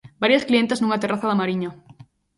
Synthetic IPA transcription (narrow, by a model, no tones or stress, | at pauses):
baɾjasklient̪aznuŋat̪eraθaðamaɾiɲo